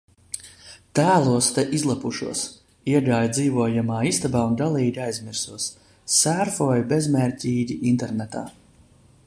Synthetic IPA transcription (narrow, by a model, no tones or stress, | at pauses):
t̪æːlˠuɔst̪ɛʔizlˠapuʃuɔs | iɛɡaːjd̪ziːvuɔjamaːist̪abaːund̪alˠiːdʲiajzmiɾsuɔsː | æɾfɔjbezmɛɾʲcʲiːɟʲiʔint̪ɛɾnɛt̪a̰ː